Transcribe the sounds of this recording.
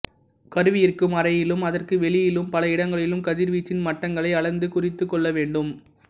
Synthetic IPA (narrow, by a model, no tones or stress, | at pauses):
kɐɾɯʋɪjɪrkɯmɐɾɐjɪlɯmɐðɐrkɯʋɛɭɪjɪlɯmpɐlɐɪɽɐŋɡɐɭɪlɯmkɐðɪɾʋiːt͡ʃːɪnmɐʈːɐŋɡɐɭɐɪɐɭɐnd̪ɯkʊrɪt̪ːɯkːɔɭːɐʋeːɳɖɯm